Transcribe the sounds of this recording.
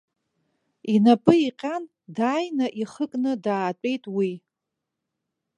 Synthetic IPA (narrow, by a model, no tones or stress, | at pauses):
inapʼɨiqʲʼan | daːjnaʔiχəkʼnɨdaːt͡pʷʼe̞jtʼwi